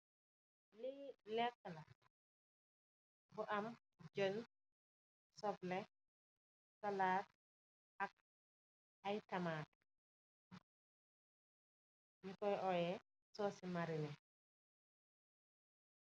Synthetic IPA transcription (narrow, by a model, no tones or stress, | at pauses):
lilɛk̚ːəlɐ | bʊʔɐm | d͡ʒon | sɔblɛ | sɐlaːt̚ | ɐk̚ | ɐjtɐmaːt̚ | jukɔjɔjɛ | sɔːsimaɾinɛ